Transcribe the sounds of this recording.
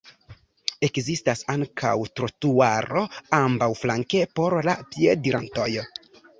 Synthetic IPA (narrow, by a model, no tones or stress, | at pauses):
e̞kzistasaŋkʰa̰wtɾotuaɾo̞ambawflaŋke̞po̞ɾlapiediɾanto̞j